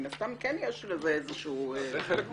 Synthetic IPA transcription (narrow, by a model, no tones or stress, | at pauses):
naft̪amkɛnjɛʃleveezeʃu